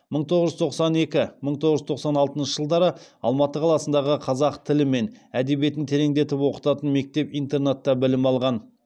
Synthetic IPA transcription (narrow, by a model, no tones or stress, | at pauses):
məɴt̪ʰo̞ʁəʒʏzt̪ʰo̞qsɑne̞kʲɪməɴt̪ʰo̞ʁəʒzt̪ʰo̞qsɑnɑlˠt̪ənʃəʒ̥əlˠd̪ɑɾəɑ̰lˠmɑt̪əqʰɑlˠɑsənd̪ɑʁəqʰɑzɑqt̪ʰɪlɪme̞næd̪e̞bije̞t̪ɪnt̪ʰe̞ɾe̞ŋd̪e̞t̪ɪpwo̞qə̥t̪ɑt̪ənme̞k̚t̪e̞pijnt̪e̞rnet̪ːɑbɪlɪmɑlˠʁɑn